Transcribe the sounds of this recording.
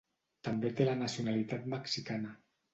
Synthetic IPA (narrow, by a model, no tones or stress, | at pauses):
t̪ambet̪elanasiunalit̪at̪maksikana